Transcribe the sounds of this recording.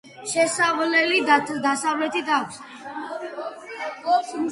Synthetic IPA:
ʃɛsavlɛlid̪asavlɛt̪ʰit̪ʰakʷʰs

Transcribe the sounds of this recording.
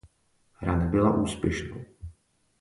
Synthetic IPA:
ɾanabɪlaʔuːspjɛʃnow

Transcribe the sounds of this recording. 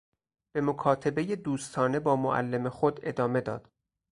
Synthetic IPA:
b̥e̞mokʰɒːt̪ʰe̞beje̞d̪uːst̪ʰɒːne̞bɒːmoʔæ̰lːemexo̞d̪e̞d̪ɒːme̞d̪ɒ̰ːd̪̥

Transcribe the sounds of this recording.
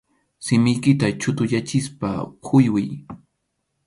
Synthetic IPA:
sɪmɪjkɪt̪at͡ʃʊt̪ʊʎat͡ʃɪspa̰kʰʊjwɪj

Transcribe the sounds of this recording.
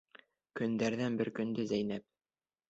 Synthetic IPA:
kɵ̆nd̪æɾðænbɘɾkɵ̆nd̪ɘzæjnæp̚

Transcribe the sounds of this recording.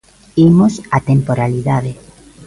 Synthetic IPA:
imosat̪empoɾaliðaðe

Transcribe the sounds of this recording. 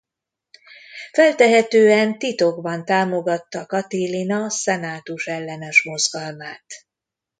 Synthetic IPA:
fɛlt̪ɛɦɛt̪øːɛnt̪it̪o̞ɡbɒnt̪aːmo̞ɡɒt̪ːɒkɒt̪ilinɒsɛnaːt̪uʃɛlːɛnɛʃmo̞zɡɒlmaːt̪

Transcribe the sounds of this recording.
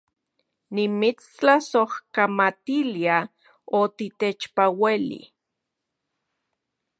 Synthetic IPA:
nimit͡st͡ɬasohkamat̪ilia | ot̪it̪et͡ʃpawelḭ

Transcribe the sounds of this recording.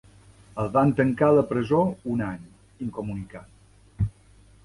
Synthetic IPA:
əlˠβant̪əŋkaləpɾəzounaɲ | iŋkumunikat̪

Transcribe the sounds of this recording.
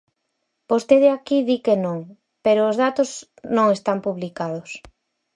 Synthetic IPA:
post̪eðeakiðikenõŋ | peɾoːzðat̪oz | nõŋest̪ampuβlikað̞ʊs

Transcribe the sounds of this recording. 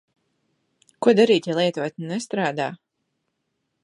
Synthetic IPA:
kuɔd̪aɾiːt̪ʲalˠiɛt̪uɔt̪ʲnnɛst̪ɾaːd̪aː

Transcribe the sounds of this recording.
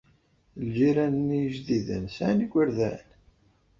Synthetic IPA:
ld͡ʒiɾænnːijəʒðiðə̰nsʕniɡʷəɾðæ̰n

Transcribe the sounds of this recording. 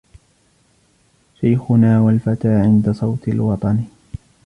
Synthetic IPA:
ʃajxʊnaːwalfat̪aːʕɪnd̪asˤɑwt̪ɪlwɑt̪ˤɑn

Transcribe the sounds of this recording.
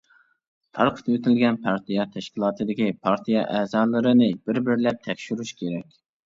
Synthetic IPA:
t̪ʰɑɾqʰə̥t̪wet̪ʰɪlɡʲɛnpʰɑɾt̪ʰijɑt̪ʰɛʃkʲilˠɑːt̪ʰɨd̪ɪkʲipʰɑɾt̪ʰijɑ̰ʔɛzɑːlˠɨɾɨnɨbɪɾbɪɾlɛp̚t̪ʰɛkʲʃyɾyʃkʲʰeɾɛkʲ

